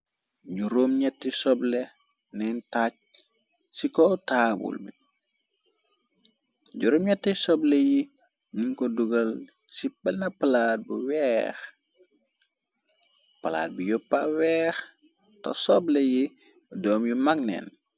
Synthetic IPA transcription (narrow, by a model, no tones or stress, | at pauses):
ɟuɾomɲɛtːisɔblɛ | nɛntac̚ | sikɔtaːbṵlbḭ | ɟuɾomɲɛtːɛsɔblɛji | niŋkɔduɡɐl | sipɛnɐpɐlaːt̚buwɛːx | pɐla̰ːt̚bijɔpːawɛːx | tɔ̰sɔblɛji | dɔːmjumaknɛ̰n